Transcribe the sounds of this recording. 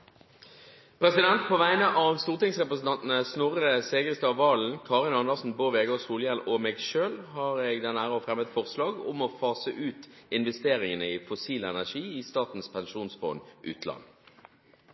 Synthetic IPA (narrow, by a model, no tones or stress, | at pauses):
pʰʁɛsɪd̪ɛnt̪̚pʰɔʋæɪnəʔɑʋst̪uːʁt̪ɪŋsʁɛpɾəsn̩t̪ɑnt̪ən̩əsnʊɾəseːɡəʁst̪ɑʋɑːln̩kʰɑːʁɪnɑnəʁsn̩boːʋeːɡosuːljɛnɔmeːɡʃøːlhɑːɾeːɡd̪ɛnæːʁəɔfʁɛmət̪fɔʁslɑːɡʊ̰mɔfɑːsəʔʉːt̪ɪnʋɛst̪eːʁɪŋənəiːfʊsiːləɛnæʂiːist̪ɑːt̪n̩spʰɛnʃuːnsfɔ̰ːnʔʉ̰ːt̪ʰlɑ̰nː